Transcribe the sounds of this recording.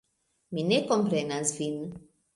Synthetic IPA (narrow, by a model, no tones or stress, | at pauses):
minekompɾenasvin